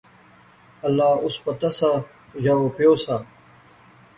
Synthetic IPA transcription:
ɐlːaːʊspɐt̪ɐsa | jaopjoːsa

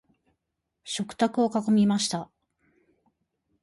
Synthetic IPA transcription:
ɕo̞kɯ̟̥t̪akɯ̟o̞kakomʲimaɕi̥t̪a

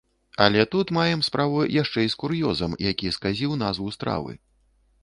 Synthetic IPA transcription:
alʲɛt̪ut̪majɛmspɾavujaʂt͡ʂɛjskuɾjɔzɐmjakʲiskazʲiwnazvust̪ɾa̰vɨ̰

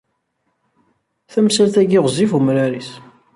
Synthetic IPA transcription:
θæmsælθæɡiʁzifumɾæɾis

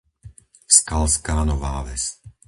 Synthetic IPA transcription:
skalskaːnɔʋa̰ːʋɛs

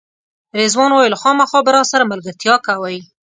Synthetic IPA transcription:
ɾezwɑnwɑjlaxɑmaxɑbəɾɑsaɾamalɡaɾt̪jɑkawaj

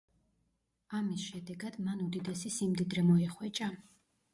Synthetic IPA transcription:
amisʃɛd̪ɛɡad̪̥manud̪id̪ɛsisimd̪id̪ɾɛmɔɛχwɛt͡ʃʼa

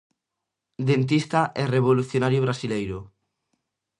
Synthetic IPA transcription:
d̪ent̪̬ist̪aʔɛreβ̞oluθjonaɾjoβɾasilejɾo

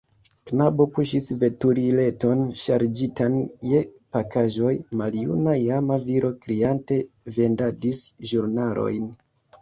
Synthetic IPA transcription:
knabo̞puʃisve̞tuɾile̞to̞nʃaɾd͡ʒitanjepakaʒo̞jmaljṵnajamaviɾʔo̞kɾiante̞ | ve̞ndadisʒuɾnalo̞̰jn

